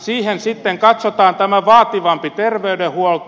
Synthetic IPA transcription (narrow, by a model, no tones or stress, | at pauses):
siːhensit̪ːeŋkɑt̪sot̪ɑːnt̪æmæʋɑːt̪iʋɑmpit̪erʋeydehuol